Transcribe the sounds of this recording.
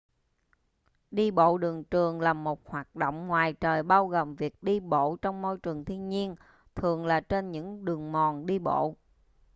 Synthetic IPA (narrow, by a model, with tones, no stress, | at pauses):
ɗi˧ɓo̰˧˨ɗɨ˨˩əŋt͡ɕɨ˨˩əŋlaː˨˩mo˨˩t̚hwaː˨˩t̚ɗo̰˧˨wŋ͡mŋwaː˨˩jt͡ɕəː˨˩jɓaː˧wɣo˨˩mvi˨˩ək̚ɗi˧ɓo̰˧˨t͡ɕɔ˧wŋ͡mmo˧jt͡ɕɨ˨˩əŋt̪ʰi˧ənɲi˧ən | t̪ʰɨ˨˩əŋlaː˨˩t͡ɕe˧nɲɨ̰˧˥ŋɗɨ˨˩əŋmɔ˨˩nɗi˧ɓo̰˧˨